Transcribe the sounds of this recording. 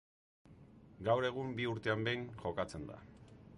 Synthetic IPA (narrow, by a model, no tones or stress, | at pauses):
ɡawɾe̞ɣ̞umbiuɾt̪e̞ambe̞jnʝo̞kat͡se̞nd̪a̰